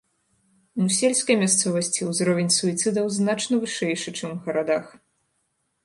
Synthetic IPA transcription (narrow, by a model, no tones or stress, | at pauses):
nusʲelʲskɐjmʲast̪sɔvɐsʲt͡sʲiwzɾɔvʲenʲsuit̪sɨd̪ɐwznat͡ʂnɐvɨʂɛjʂɨt͡ʂɨmɣɐɾad̪ax